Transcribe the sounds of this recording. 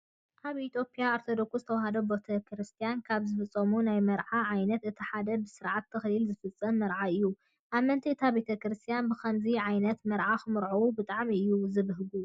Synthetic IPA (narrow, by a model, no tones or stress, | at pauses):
ʔaβʔit̪ʰjo̞pʼijaːɾt̪ʰod̪o̞ksuzɨt̪ʰɐwahɐd̪obot̪ʰɐkʰɾɨst̪ʰijankʰaβzɨfɨt͡sʼːɐmunajmɐɾʕaʕajnɐt̪ɨt̪ʰiħad̪ɐbɨsɨɾʕat̪ʰːɐxlilzɨfɨt͡sʼːɐmːɐɾʕaɨjːu | ʔaβmɐnt̪ʰiɨt̪ʰabe̞t̪ʰɐkɾɨst̪ʰijanbɨxʰɐmziʕajnɐt̪mɐɾʕaxɨmɨɾʕowubɨt̪ʼaʕmiɨjːuzɨβɨɦɡu